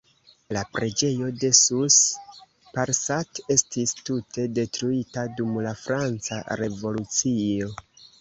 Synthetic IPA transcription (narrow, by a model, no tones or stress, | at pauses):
lapɾe̞d͡ʒe̞jo̞de̞sus | paɾsate̞stistute̞de̞tɾuitadumlafɾant͡sa̰ɾe̞vo̞lut͡sio̞